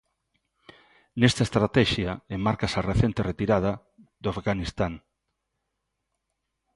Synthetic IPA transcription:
nest̪aest̪ɾat̪ɛʃjaemmaɾkasareθent̪eret̪iɾað̞ɐ | ðoafɡanist̪aŋ

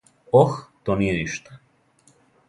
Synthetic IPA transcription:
oxt̪onijeniʃt̪ḁ

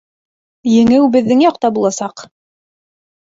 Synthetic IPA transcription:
jɘ̆ŋɘwbɘ̆ðːɘŋjɑqt̪ɑbulˠɑsɑq

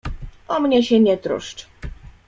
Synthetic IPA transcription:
ʔɔmɲɛɕɛɲɛt̪ɾṵʂt͡ʂ

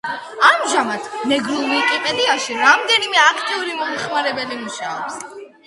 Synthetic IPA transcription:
amʒamat̪ʰnɛɡɾulˠikʼipʼɛd̪iaʃiɾamd̪ɛnimɛakʰt̪ʼiuɾimɔmχmaɾɛbɛlimuʃaɔps

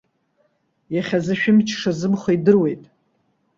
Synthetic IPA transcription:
jaχʲazɨʃᶣɪmt͡ʃʰʂazɨmχaidɨrwe̞jtʼ

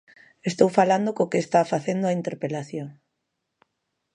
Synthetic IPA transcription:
est̪owfaland̪okokest̪afaθend̪oaint̪eɾpelaθjoŋ

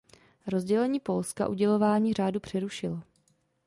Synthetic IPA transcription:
ɾo̞zɟɛlɛɲiːpo̞lska̰ʔuɟɛlo̞vaːɲiːr̝aːdupr̝̥ɛɾuʃɪlo

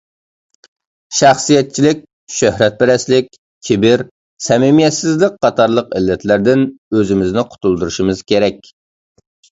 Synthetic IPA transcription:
ʃæχsijɛt̪̚t͡ʃʰilɪkʲ | ʃøhɾɛt̪̚bɪɾɛslɪk̚ʲ | kʲʰɪbɪɾ | sɛmɪmijɛt̪sɪzlɪk̚qʰɑt̪ʰɑɾlˠəqɪlːɛt̪ʰlæɾd̪ɪnøzɪmɪznɪqʰʊ̥t̪ʰulˠd̪uɾuʃimɨz̥kʲʰeɾɛkʲ

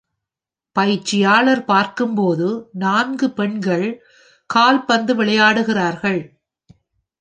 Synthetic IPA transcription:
pɐjɪt͡ʃːɪjaːɭɐɾpaːɾkɯmpoːðɯnaːnɡɯpɛɳɡɐɭ | kaːlpɐnd̪ɯʋɪɭɐjaːɽɯɣɪraːɾɣɐɭ

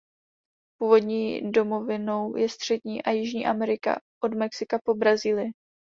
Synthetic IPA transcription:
puːvo̞dɲiːdo̞mo̞vɪno̞wjɛst̪r̥ɛdɲiːʔajɪʒɲḭːʔamɛɾɪka̰ʔo̞dmɛksɪkapo̞bɾaziːlɪjɛ

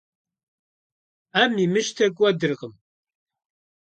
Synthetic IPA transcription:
æmimɨʃt̪ʰɐkʷʼwɐd̪ɨɾʁəm

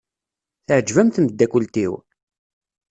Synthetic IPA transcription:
θəʕəd͡ʒvæmθməd̪ːækʊlt̪ḭw

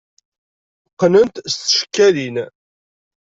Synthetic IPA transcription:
qːnənt̪st̪ʃkːælin

